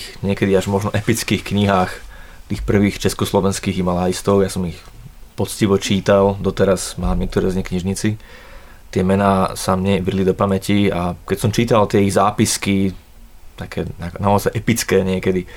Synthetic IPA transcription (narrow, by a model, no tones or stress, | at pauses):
xɲɪɛkɛd̪iaʒmɔʒnɔʔɛpit͡skiːxkɲiɦaːxt̪iːxpr̩ʋiːxt͡ʃɛskɔslɔʋɛnskiːɣimalaist̪ɔʊjasɔmix | pɔt͡sciʋɔt͡ʃiːt̪ald̪ɔt̪ɛɾazmaːmɲɪɛkt̪ɔɾɛziɲɛkɲiʒɲit͡si | t̪ɪɛmɛnaːsamɲɛʋɾilid̪ɔpamɛciakɛcsɔmt͡ʃiːt̪alt̪ɪɛiɣzaːpiski | t̪akʰɛːnaknaɔzajʔɛpit͡skɛːɲɪɛkɛd̪i